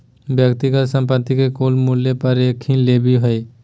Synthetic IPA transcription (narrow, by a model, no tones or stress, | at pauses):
bjəkt̪iɡəlsə̃mpət̪ːikekoːlmuljepɐɾeːkʰːĩleːbʱiɦoe